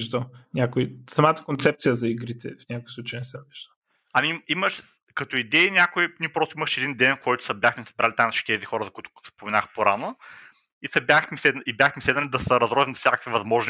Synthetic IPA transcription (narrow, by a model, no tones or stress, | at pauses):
ʒd̪ənʲakoisɐmat̪ə̥kont̪sɛp̚tsijəzɐiɡɾit̪ɛ̰fnʲakojsˠut͡ʃəjnɛsɛniʒd̪ə | ɐmimiməʃ | kɐt̪oid̪ɛinʲakʊiniɛpɾɔst̪oʊiməʃɛd̪ind̪ɛnkɔjt̪ʊ̥sɐbʲjaxmisɐ̥bɾalit̪ãmnsʃi̥t̪ʲiɛzixɔɾəzɐkuit̪ʊ̥spomɛnaxpoɾano | isɐbʲjaxmisɛd̪ʔibjaxmisɛd̪nəlʲid̪ɐsəɾɐzɾɔzɐmnɐfsʲakə̥kvivɐzmɔʒn